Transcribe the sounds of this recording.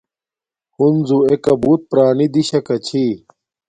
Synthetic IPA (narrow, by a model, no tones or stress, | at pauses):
hunzuekɐbuːt̪̚pɾaːnid̪iɕɐkɐt͡ɕʰi